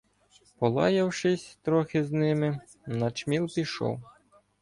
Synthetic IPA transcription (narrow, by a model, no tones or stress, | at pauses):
pɔlˠɑ̰jɐwʃɪsʲt̪ɾɔxɪznɪmɪ | nɐt͡ʃmʲilˠpʲiʃɔ̰w